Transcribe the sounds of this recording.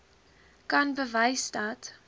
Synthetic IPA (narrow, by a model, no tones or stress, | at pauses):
kɐnbəvɐɪsdɐt